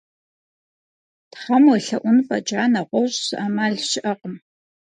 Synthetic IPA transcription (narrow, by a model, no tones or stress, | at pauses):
tχɐmɨɬɐʔʷʊnpʼɐ̰d͡ʒʼaːnɐʁʷɔɕsaːmaːɮɕɪʔɐqəm